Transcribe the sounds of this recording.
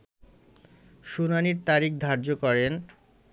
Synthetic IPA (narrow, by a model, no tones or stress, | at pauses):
ʃunaniɾt̪aɾik̚d̪ʱaɾd͡ʑokɔɾen